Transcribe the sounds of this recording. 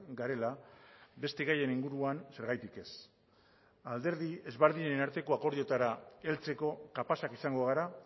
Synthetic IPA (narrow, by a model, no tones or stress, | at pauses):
ɡaɾe̞labe̞st̪e̞ɣaje̞niŋɡuɾuanse̞ɾɣajt̪ike̞s | ald̪e̞ɾðie̞zβeɾðinenaɾt̪e̞ko̞ako̞ɾðio̞t̪aɾae̞lt͡se̞ko̞kapasakisaŋɡo̞ɣ̞aɾa